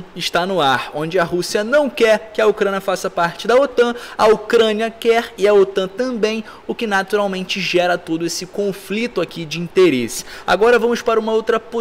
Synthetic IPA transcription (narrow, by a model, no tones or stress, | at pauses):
ɪʃt̪anʊaɾõd͡ʒɪɐɦusiɐnɐ̃w̃kɛɾkɪɐukɾɐ̃njɐfasɐpaɾt͡ʃɪd̪ɐot̪ɐ̃ɐukɾɐ̃niɐkɛɾɪɐot̪ɐ̃t̪ɐ̃bẽj̃ | ʊkɪnat̪uɾawmẽnt͡ʃɪʒɛɾɐt̪od̪ʊesɪkõflit̪ʊakid͡ʒɪĩnt̪eɾesɪ̥a̰ɡɔɾɐvɐ̃mʊspaɾɐũmɐowt̪ɾɐpo